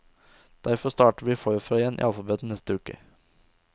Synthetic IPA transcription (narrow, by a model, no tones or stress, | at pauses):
d̪̥æɾfɔst̪ɑːʈəʋiːfoːɾfɾɛɛnʔḭːɑlfɑbed̪n̩nɛst̪əʉːkə̰